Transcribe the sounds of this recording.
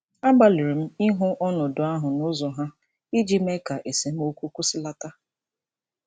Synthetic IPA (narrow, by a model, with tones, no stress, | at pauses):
a˦ɡ͡ba˨lɪ˨ɾi˨m̩˦i˦ɦʊ˦ʔɔ˦nɔ˨dʊ˨a˦ɦʊ˨nʊ˦zɔ˨ɦa˦ | i˦d͡ʒi˦me˦ka˨ʔe˨se˨m̩˦o˦kʷu˦kʷu˦sɪ˦la˦ta˦